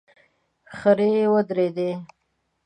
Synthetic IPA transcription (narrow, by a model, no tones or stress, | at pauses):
xəɾewəd̪ɾed̪e